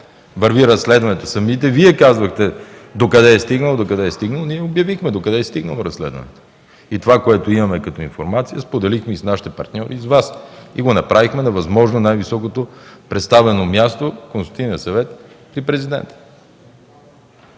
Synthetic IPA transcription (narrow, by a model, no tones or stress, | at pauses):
vɐɾviɾɐsːlɛd̪vɐnɛt̪osɐmit̪ɛviɛkazvɐxt̪ɛd̪okɐd̪ɛːst̪iɡnəlˠod̪okɐd̪ɛːst̪iɡnəlˠoniɛobjɐvixmɛd̪okɐd̪ɛɛst̪iɡnə̰lˠoɾɐslɛ̰d̪vɐ̰nɛ̰t̪o̥ | it̪ovakoɛt̪oimɐmɛkɐt̪oinfoɾmat̪sijəspod̪ɛlixmɛisnaʃi̥t̪ɛpɐ̰ɾt̪nʲɔɾizvasiɡonɐpɾavixmɛnɐvɐzmɔʒnonajvisɔkot̪opɾɛt̪st̪avɛnomʲjast̪okõnst̪iniəsɐvɛt̪ | pɾipɾɛzid̪ɛ̰nt̪ə̥